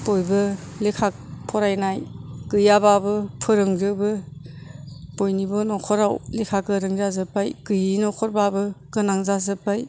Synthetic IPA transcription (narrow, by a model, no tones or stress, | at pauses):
b̥ojbɯ | lekʰak̚pʰɔɾajnajkɯjababɯpʰɯɾɯŋzɯbɯ | bojnibɔnɔkʰɔɾawlekʰakɯɾɯŋzazɯpajkɯjinɔkʰɔɾbabɯkɯnaŋzazɯpaj